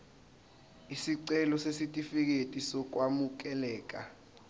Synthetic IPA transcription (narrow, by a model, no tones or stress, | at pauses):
isiǀɛlɔsesitʼifik̬etʼisɔk̬wamuk̬ɛlɛːk̬a